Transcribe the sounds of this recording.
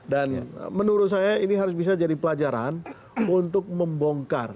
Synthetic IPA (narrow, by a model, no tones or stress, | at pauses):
dan̰mənuɾʊt̪̚sajainiɦaɾʊs̬bis̬ad͡ʒadipəlad͡ʒaɾa̰n | unt̪ʊk̚məmbɔŋkar